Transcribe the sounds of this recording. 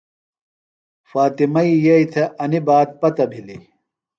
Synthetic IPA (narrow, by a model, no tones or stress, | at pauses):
faːt̪imɐijɐjt̪ʰɐʔɐnibaːt̪̚pɐt̪ɐbʱili